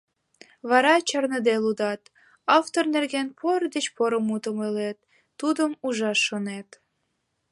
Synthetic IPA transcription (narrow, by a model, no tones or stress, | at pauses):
βɑɾɑt͡ɕɑrnəd̪elud̪ɑt̪ | ɑft̪ornerɣenpʰord̪ət͡ɕpoɾəmut̪əmølet̪ː | ud̪əmuʒɑʃːonet̪